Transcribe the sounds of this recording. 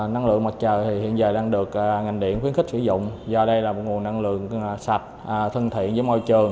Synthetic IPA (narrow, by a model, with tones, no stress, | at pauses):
na˧ŋlɨ̰˧˨əŋma˨˩t̚t͡ɕəː˨˩jt̪ʰi˨˩hḭ˧˨ənzaː˨˩jɗaː˧ŋɗɨ˨˩ək̚ːŋa˨˩jŋ̟ɗḭ˧˨ənxwi˨˦əŋxi˦˥k̚sɨ̰˧˩zʊ̰˧˨wŋ͡mzɔ˧ɗə˧jlaː˨˩mo˨˩t̚ŋu˨˩əna˧ŋlɨ̰˧˨əŋsa˨˩t̚ːt̪ʰə˧nt̪ʰḭ˧˨ənzəː˨˦jmɔ˧jt͡ɕɨ˨˩əŋ